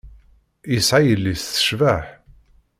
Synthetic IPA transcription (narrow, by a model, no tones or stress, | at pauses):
jəsʕajəlːisθə̥ʃvaħ